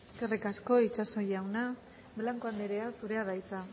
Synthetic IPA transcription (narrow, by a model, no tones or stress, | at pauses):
eske̞rikasko̞it͡ʃaso̞jawna | blaŋkoand̪eɾe̞asuɾe̞aðajt͡sa